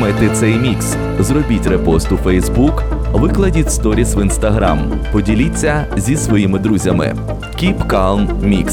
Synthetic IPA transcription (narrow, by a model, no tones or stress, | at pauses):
mɛt̪ɪt̪sɛjmʲiks | zrɔbʲitʲrepɔst̪ʊfɛjzbukʋɪklˠɐdʲitʲst̪ɔɾʲisʋinst̪ɐɦɾa̰m | pɔdʲilʲit͡sʲːɐzʲisʋɔjimɪd̪ɾuzʲɐmɪ̰ | kʲipkɑlˠnmʲḭks